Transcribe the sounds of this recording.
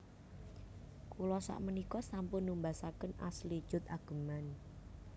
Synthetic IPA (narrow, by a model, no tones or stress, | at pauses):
kulɔsa̰ʔmənikɔsampʊnːumbasakəna̰sli̥ʒ̥ʊ̤t̪aɡ̥ə̤man